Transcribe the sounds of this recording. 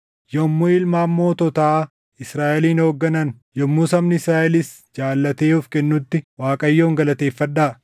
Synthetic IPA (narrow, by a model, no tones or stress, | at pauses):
jɔmːuɪlmaːmːo̞ːt̪ɔt̪a | ɪsɾaːʔɛliːno̞ːɡːɐnɐn | jɔmːuːsɐmnɪɪsɾaːʔɛlɪs | d͡ʒaːlːɐt̪eːʊfkɛnːʊt̪ːɪwaːkʼɐjːo̞ːŋɡɐlɐt̪eːfːɐᶑaː